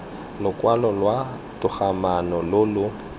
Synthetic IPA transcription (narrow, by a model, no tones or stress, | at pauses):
lʊkʼwalɔlwa | tʊχamanɔlʊlʊ